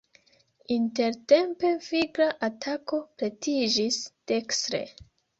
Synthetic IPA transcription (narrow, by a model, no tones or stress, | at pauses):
inte̞ɾte̞mpe̞fiɡɾaʔatʰako̞pɾetid͡ʒiste̞kstɾḛ